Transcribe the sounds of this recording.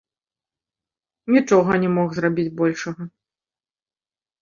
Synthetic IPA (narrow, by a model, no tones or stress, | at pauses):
nʲit͡ʂɔɣɐnʲɛmɔxzrabʲid͡zʲbɔlʲʂɐɣɐ